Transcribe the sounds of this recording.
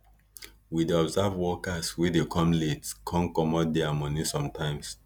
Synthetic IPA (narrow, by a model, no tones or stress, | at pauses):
wideɔbzavwɔkaswidekʰɔ̃mletkʰɔ̃nkɔmɔt̚dɛamɔnisɔ̃mtãɪ̃ms